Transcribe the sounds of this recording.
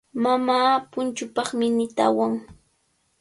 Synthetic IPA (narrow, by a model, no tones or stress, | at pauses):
mamaːpʊnt͡ʃʊpɑχmɪnɪt̪a̰waŋ